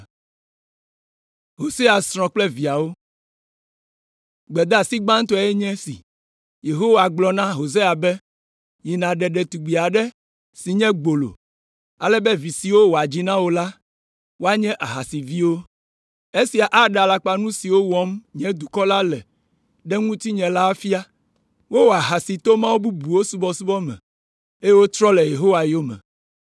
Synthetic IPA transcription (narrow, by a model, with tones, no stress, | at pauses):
ɦo˨se˦a˨sɾ̃ɔ̃˨k͡plɛ˦vi˨a˨wo˦ | ɡ͡bɛ˨d̪a˦˨si˦ɡ͡bã˦ŋ˦t̪ɔ˦ɛ˦ɲɛ̃˦sḭ˨ | je˨ɦo˦wa˨ɡ͡blɔ˨nã˦ɦo˨se˦a˨bɛ˦ | ji˨nã˨ɖɛ˨ɖɛ˨t̪u˨ɡ͡bi˨a˨ɖɛ˦ | si˨ɲɛ̃˦ɡ͡bo˨lo̰˨ | a̰˨lɛ˦bɛ˦vi˨si˨wo˦wo˨a˨d͡ʑi˦nã˦wo˦la˦ | wo˦a˦ɲɛ̃˦ʔa˨ɦa˨si˨vi˦wo˦ | e˦si˨a˨ʔa˦ɖɛ˨a˨la˨k͡pa˦nũ˦si˨wo˦wɔ˨˦mɲɛ̃˦d̪u˨kɔ˦la˦lɛ˨ | ɖɛ˦ŋũ˦t̪i˦ɲɛ̃˨la˦fi˦a˦ | wo˦wo˨a˨ɦa˨si˨t̪o˦mã˦wo˦bu˦bu˨wo˦su˦bɔ˦su˦bɔ˦mɛ̰̃˨ | e˦je˦wo˦t̪ɾɔ˦lɛ˨je˨ɦo˦wa˨jo˦mɛ̰̃˨